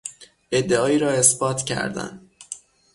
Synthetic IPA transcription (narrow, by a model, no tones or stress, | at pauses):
ʔe̞d̪ːeɒːiːɾɒːe̞sbɒːt̪ʰcʰæ̰ɾd̪æ̰n